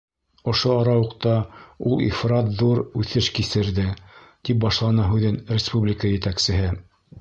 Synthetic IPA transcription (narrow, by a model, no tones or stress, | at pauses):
ŏʃoɑɾɑwɤ̆qt̪ɑulˠḭfrɑt̪ðuɾʉθɘʃkisɘ̆ɾðɘt̪ip̚bɑʃlˠɑnɑɦʉðɘnrʲɪspublʲɪkəjɘ̆t̪æksɘ̆ɦɘ